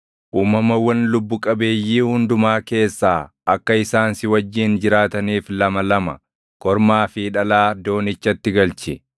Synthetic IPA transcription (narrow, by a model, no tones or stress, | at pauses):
ʔuːmːɐmɐwɐnlʊbːʊkʼɐbe̞ːjːiːhʊnd̪ʊmaːke̞ːsːaː | ɐkːɐɪsaːnsɪwɐd͡ʒːɪːnd͡ʒɪɾaːt̪ɐniːflɐmɐlɐmɐ | kɔɾmaːfiᶑɐlaːd̪o̞ːnɪt͡ʃːɐt̪ːɪɡɐlt͡ʃɪ